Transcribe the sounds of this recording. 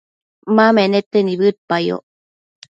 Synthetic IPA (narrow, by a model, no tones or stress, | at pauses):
mamenet̪ːeniβɨt̪̚pajo̰